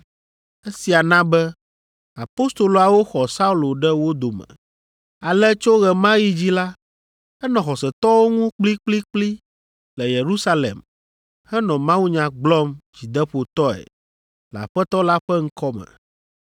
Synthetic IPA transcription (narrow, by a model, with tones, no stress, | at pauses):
e˦si˨a˨nã˦bɛ˦ | a˨po˦st̪o˨lo˨a˨wo˦xɔ˨sa˦u˦lo˨ɖɛ˦wo˦d̪o˨mɛ̰̃˨ | a˨lɛ˦t͡ʃo˦ɣɛ˨mã˦ji˦d͡ʑi˦la˦ | ɛ˦nɔ̃˨xɔ˨sɛ˨t̪ɔ˦wo˦ŋũ˦k͡pli˦k͡pli˦k͡pli˦ | lɛ˨je˨ɾu˦sa˦lḛ˨m | hɛ˦nɔ̃˨mã˦wu˦ɲã˨ɡ͡blɔ˦md͡ʑi˨d̪ɛ˦ɸo˨t̪ɔ˦ɛ̰˨ | la̰˨ɸɛ˦t̪ɔ˦la˦ɸɛ˦ŋ̩˦kɔ˦mɛ̰̃˨